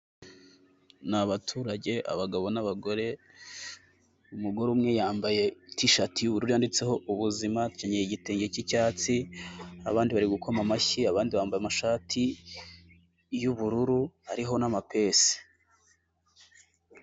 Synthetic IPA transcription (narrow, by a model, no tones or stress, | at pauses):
naβatʰuːɾaɟe̞ʔa̰βaɡaβo̞naβaɡo̞ɾe̞ | umuɡo̞ɾuːmŋe̞jaːmbaje̞tiʃatijuβuɾuɾujandit͡se̞ho̞uβuzimatucaɲeiɟiteːŋɡecicaːt͡sia̰βaːndiβaɾiɡukʰo̞mamaçiaβaːndiβaːmbajemaʃaːtʰi | juβuɾuɾuhaɾiɦo̞namape̞se̥